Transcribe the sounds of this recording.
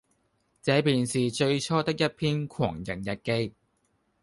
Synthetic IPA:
t͡sɛː˨˥piː˨nsiː˨t͡ʃɵ˧ɥt͡ʃʰɔː˥t̪ɪ˥k̚jɐ˥t̚pʰiː˥nkʰwɔ̰ː˨˩ŋjɐ˨˩njɐ˨t̚ke˥j

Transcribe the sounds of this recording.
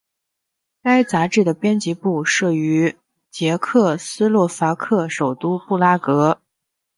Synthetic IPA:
ka˥ɪt͡sa˧˥ʈ͡ʂɻ̩˥˩d̪ə˩pjɛ˥nt͡ɕi˧˥pu˥˩ʂɤ˥˩y˧˥ | t͡ɕjɛ˧˥kʰɤ˥˩sɹ̩˥lwɔ˥˩fa˧˥kʰɤ˥˩ʂo˨˩ʊt̪u˥pu˥˩la˥kɤ˧˥

